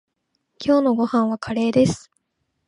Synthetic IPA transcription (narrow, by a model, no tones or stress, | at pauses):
kʲo̞ːno̞ɡo̞hãɰ̃βakʰaɾe̞ːd̪e̞sɨ̥